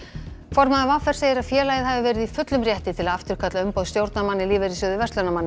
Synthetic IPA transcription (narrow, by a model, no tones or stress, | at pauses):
fɔɾmaðavafɛɾ̥seːjɪɾaðfjɛːlaːjɪðhavɪvɛːɾɪðifʏt̪lʏmrjɛht̪ɪt̪ʰɪlaft̪ʏɾ̥kʰat̪laʏmpowðst̪jowɾt̪namanːɪliːvɪɾisʏːðʏvɛst̪ɛnamanːɪ